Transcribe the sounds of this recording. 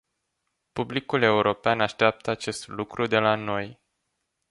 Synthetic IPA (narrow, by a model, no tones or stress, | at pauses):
publikule̞uɾʔo̞peanaʃt̪eap̚t̪əat͡ʃe̞st̪lukɾʔud̪e̞lano̞j